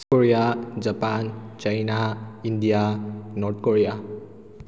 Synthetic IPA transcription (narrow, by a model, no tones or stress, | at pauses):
skoɾijad͡zapant͡ʃajnaind̪ijanɔɾt̪̚ʰkoɾija